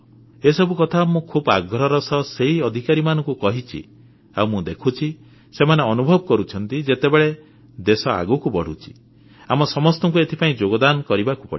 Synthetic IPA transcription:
esɔbukɔt̪ʰamũkʰuba̰ɡʱɾɔɾɔsɔseɦiɔd̪ʱikaɾimanɔ̃ŋkukɔɦit͡ʃʰḭ | awmũd̪ekʰut͡ʃʰi | semaneɔnubʱɔbɔkɔɾut͡ʃʰɔnt̪id͡ʒet̪ebeɭe | d̪esɔa̰ɡukubɔɽ̤ut͡ʃʰi̥ | amɔsɔmɔst̪ɔŋkuet̪ʰi̥paĩd͡ʒoɡɔd̪anɔkɔɾibaku̥pɔ̰ɽi

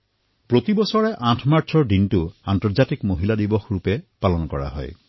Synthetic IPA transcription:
pɹot̪ibɔsɔɹɛʔãtʰmaɹsʰɔɹdintuantɔɹzatikmoɦiladibɔxɹupɛpalɔnkɔɹa̰ɦɔ̰j

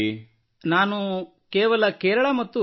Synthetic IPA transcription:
naːnu | keːʋɐlɐkeːɾɐɭɐmɐt̪ːu

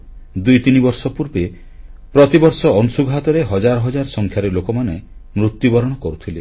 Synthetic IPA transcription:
d̪ujt̪inibɔɾsɔpuɾbe | pɾɔt̪ibɔɾsɔɔnusuɡɦat̪ɔɾeɦɔd͡ʒaɾɔɦɔd͡ʒaɾɔsɔŋkʰjaɾelokɔmanemɾut̪ːjubɔɾɔɽ̃ɔkɔɾut̪ʰile

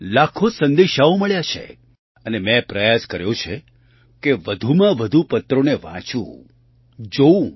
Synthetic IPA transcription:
lakʰosə̃nd̪eʃaũməɭjat͡ʃʰḛ | ənemɛ̃pɾəjaskəɾjõt͡ʃʰe | keʋəd̪ʱumãʋəd̪ʱupət̪ɾoneʋã̰t͡ʃṵ̃ | d͡ʒoũ

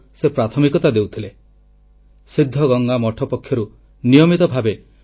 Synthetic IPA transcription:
sepɾat̪ʰɔmikɔt̪ad̪ewt̪ʰile | sid̪ʱːɔɡɔŋɡamɔʈʰɔpɔkʰjɔɾu | nijɔmit̪ɔbʱabe

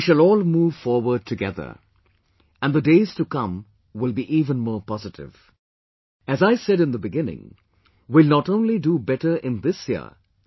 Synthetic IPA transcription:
ʃɨlɔːlˠmuːv̥fɔɹwə˞d̚tʰɨɡɛðə̰˞ | ɨ̃nðədeɪz̥tɨkʌ̃m | wɪlˠbiʔiːvə̃nmɔːɹpɑzɨɾɪ̰v̥ | ɨzaɪsɛɾɨ̃nðəbɨɡɪ̃nɪ̰̃ŋ | wɪlˠnətõʊ̃nlidubɛɾə˞ʔɪ̃nðɪsjḭə̰

